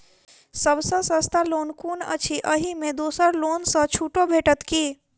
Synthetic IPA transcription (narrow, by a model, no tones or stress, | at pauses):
səbsə̃sə̃st̪alonkunə̰t͡ʃʰiʔəɦimed̪osəɾlonsə̃t͡ʃʰuʈobʱeʈət̪ki